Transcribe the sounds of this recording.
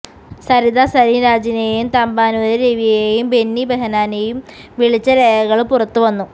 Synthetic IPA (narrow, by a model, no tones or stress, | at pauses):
sɐɾid̪asɐɾiɾaːd͡ʑinejejumt̪ɐmbaːnuʋɐðiɾeʋijeejumbe̞nːibeɦɐnaːnejum | ʋiɭit͡ɕːɐɾejɐɣɐɭpurɐt̪ːuʋɐnːu